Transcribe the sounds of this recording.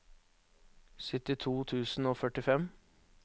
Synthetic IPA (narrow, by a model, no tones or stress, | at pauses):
sʏt̪ɪt̪ʰuːt̪ʰʉːsn̩oːfœʈɪfɛm